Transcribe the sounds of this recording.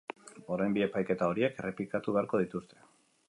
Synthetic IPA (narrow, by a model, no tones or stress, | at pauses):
o̞ɾejmbie̞pajke̞t̪ao̞ɾie̞kere̞plikat̪uβe̞aɾko̞ðit̪ust̪ʰe̥